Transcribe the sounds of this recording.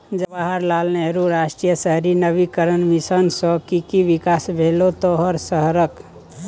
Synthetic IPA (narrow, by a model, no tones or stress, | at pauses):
d͡ʒəbaɦəɾlalneɦɾuɾasʈɾijəsəɦɾinəbikəɾənmisənsɔkikiʋikasbʱelot̪oɦəɾsəɦɾək